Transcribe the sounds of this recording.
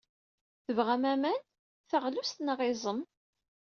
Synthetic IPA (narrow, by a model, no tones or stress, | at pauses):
θəvʁæmæmæn | θəʁlust̪nəʁɪzˤəm